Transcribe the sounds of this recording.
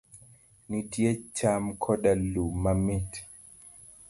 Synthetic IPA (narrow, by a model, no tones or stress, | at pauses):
nitiɛt͡ʃamkʰɔɗalumamit